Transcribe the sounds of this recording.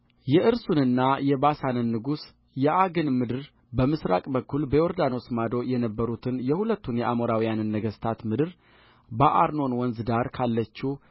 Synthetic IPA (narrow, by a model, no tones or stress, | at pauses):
jɛʔɨɾsunɨnːajɛbasanɨnːɨɡus | jɛʔaɡɨnmɨd̪ɨɾ | bəmɨsɾa̰kʼbəkʰːulbəoɾd̪anosmad̪o̞jɛnəbːəɾut̪ʰɨnjɛhulət̪ːunjɛʔamoɾawijanɨnːəɡəst̪ʰat̪mɨd̪ɨɾ | bəʔaɾno̞nwɔnzɨd̪aɾkʰalːət͡ʃːu